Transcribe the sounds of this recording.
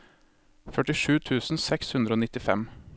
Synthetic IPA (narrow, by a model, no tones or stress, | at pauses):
fœʈɪʂʉːt̪ʰʉːsn̩sɛkshʉnd̪ɾəoːnɪt̪ɪfɛ̰m